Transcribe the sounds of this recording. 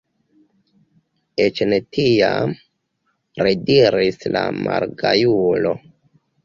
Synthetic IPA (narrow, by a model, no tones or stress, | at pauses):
et͡ʃnetʰijam | ɾediɾislamaɾɡajulo